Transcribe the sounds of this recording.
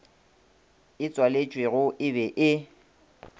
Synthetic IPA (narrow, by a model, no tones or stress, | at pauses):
ɪt͡sʼwalet͡ʃʼweɣʊʔɪbɛʔɪ